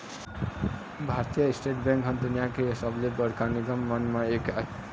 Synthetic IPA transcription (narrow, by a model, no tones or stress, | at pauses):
bʱaɾt̪ijəisʈeʈbɛ̃ŋkɦʌ̃nt̪ənjakeesəblebəɾkaniɡəmːənmãekaɦe